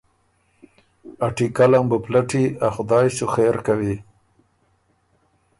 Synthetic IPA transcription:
aʈikalambəplaʈiaxʊd̪ɑjsuxeɾkawi

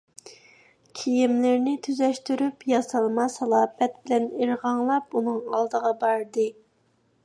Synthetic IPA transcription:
kʲʰijimlɪɾnɪt̪ʰyzɛʃt̪yɾypjɑsɑlˠmɑsɑlˠɑːbɛt̪̚bɪlɛneɾʁɑŋlˠɑpunɨŋɑ̰lˠd̪əʁɑbɑɾd̪ɨ

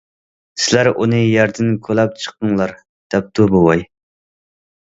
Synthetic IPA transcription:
sɪlæɾunɨjɛɾd̪ɪnkʲʰølɛp̚t͡ʃʰə̥qːəŋlˠɑɾ | d̪̥ɛp̚t̪ʰubowɑj

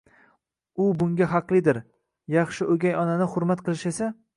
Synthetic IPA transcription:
ʊbʊŋɡʲaɦɑqlˠɪd̪ɪɾ | jɑχʃɪʔɵɡʲajɒnanɪχʊɾmat̪qʰɨlˠɪʃe̞sa

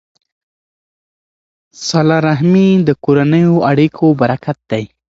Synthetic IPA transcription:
sɑlɑɾaɦmid̪əkoɾanəjoaɽikʰobaɾakat̪̚d̪aj

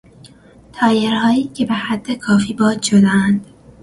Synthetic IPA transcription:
t̪ʰɒːjeɾhɒːiːcʰe̞behæd̪̥ːe̞kʰɒːfiːbɒːd̪ʃod̪eænd̪̥

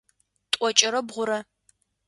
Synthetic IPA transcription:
tʼɔt͡ʃʼɪɾɐbʁʷʊɾɐ

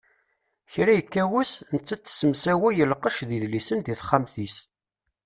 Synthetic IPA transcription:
çɾæjəkːæwusnət͡sːæt͡sːsəmsæwijəlqəʃðiðlisənðiθχːamθis

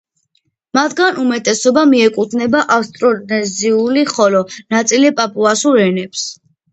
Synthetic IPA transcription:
mat̪ʰɡanumɛt̪ʼɛsɔbamiɛkʼut̪ʰnɛbaʔafst̪ʼɾɔdnɛziuliχɔlɔnat̪sʼilipʼapʼuasuɾɛnɛps

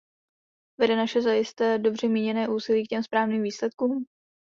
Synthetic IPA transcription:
vɛdɛnaʃɛzajɪst̪ɛːdo̞br̝ɛmiːɲɛnɛːʔuːsɪliːk̚cɛmspɾaːvniːmviːslɛt̪̚kuːm

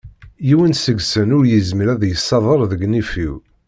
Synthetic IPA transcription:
jiwənsəɡsənʊɾjəzməɾæðjəsːɑðˤəɾˤðəɡnifiw

